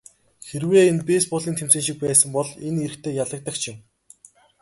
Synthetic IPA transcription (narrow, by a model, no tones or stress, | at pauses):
xerweːenpeːspɔɮiːnt̪ʰemsĕːŋʃik̚pæːsə̆mpɔɮeneɾɘ̆kt̪ʰeːjaɮə̆k̚t̪ə̆k̚t͡ɕʰɪ̆m